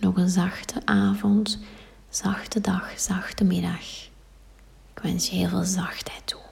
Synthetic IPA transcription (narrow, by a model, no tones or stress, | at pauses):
nɔɣənzɑxtʰəʔaːvɔnt | z̥ɑxtədɑxz̥ɑxtəmɪdɑx | ɪkʋɛnsjɦɪːlˠvḛːlˠzɑxthɛjtʰːu̥